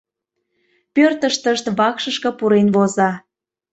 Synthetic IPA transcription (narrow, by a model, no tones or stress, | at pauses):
pørt̪əʃt̪əʃt̪βɑkʃəʃkɤ̆puɾenβozɑ